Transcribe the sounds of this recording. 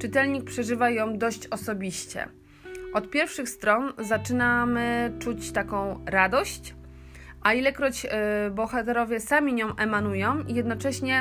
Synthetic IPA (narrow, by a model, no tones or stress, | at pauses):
t͡ʂɨt̪ɛlɲik̚pʂɛʐɘvajɔ̃w̃d̪ɔɕt͡ɕɔsɔbʲiɕt͡ɕɛ̰ | ʔɔt̪̚pʲjɛɾfʂɘxst̪ɾɔnzat͡ʂɘnamɘt͡ʂut͡ɕt̪akɔ̃w̃ɾad̪ɔɕt͡ɕ | ʔailɛkɾɔd͡ʑbɔxat̪ɛɾɔvʲjɛsamʲiɲɔ̃w̃ʔɛmanujɔ̃w̃ijɛd̪nɔt͡ʂɛɕɲɛ